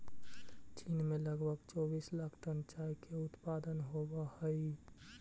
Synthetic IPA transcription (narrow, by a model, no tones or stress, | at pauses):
t͡ʃinmẽləɡbʱəɡt͡ʃɔːbiːslaːkʰʈ̪ənt͡ʃaikʰeʊt̪paːd̪ənɦobahəi